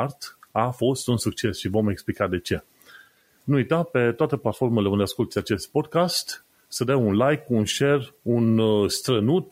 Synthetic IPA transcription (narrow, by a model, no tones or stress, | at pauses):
rt̪afo̞st̪unsuk̚t͡ʃe̞sʃivo̞me̞ksplikad̪e̞t͡ʃe̞ | nuujt̪ape̞t̪oat̪e̞plat̪fo̞rmele̞und̪easkult̪sʲat͡ʃe̞st̪̚po̞d̪̚kast̪ | səd̪awunlajkunʃe̞runst̪ɾənut̪̚